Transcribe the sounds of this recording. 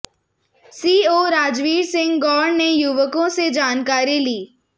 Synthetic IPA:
siːoːɾaːd͡ʒʋiːɾsɪ̃ŋɡɡɔːɽnejʊʋəkõsed͡ʒaːnkaːɾiliː

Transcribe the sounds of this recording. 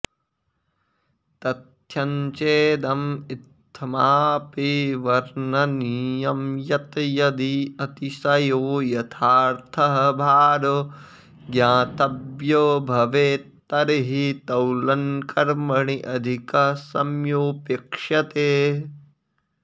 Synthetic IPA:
t̪ɐt̪jɐɲt͡ʃeːd̪ɐmit̪ʰːmaːpiʋɐɾnɐniːjɐmjɐt̪jɐd̪iɐt̪isɐjoːjɐt̪ʰaːɾt̪ʰɐɦɐbʱaːɾo | ɡjãːt̪ɐbjoːbʱɐʋeːt̪ːɐɾɦit̪ɐwlɐnkɐɾmɐɳiʔɐd̪ʱikɐsɐmjoːpekʂɐt̪eː

